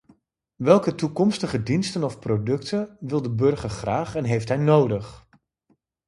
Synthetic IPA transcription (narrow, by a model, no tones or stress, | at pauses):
ʋɛlˠkətukɔmstəχədinstənɔfprodɵktʰənʋɪlˠdəbɵɹχəɹχraːχɛnɦejftɦɛjnowdəχ